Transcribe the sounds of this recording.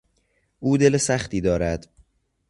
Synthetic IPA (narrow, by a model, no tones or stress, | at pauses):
ʔuːd̪e̞lesæxt̪iːd̪ɒːɾæd̪̥